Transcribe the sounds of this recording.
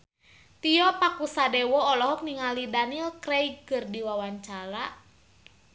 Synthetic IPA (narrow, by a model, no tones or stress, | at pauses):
t̪iɔpakusadɛwɔːlɔɦɔk̚niŋalidanilkɾɛikɨrdiwawaɲt͡ʃaɾa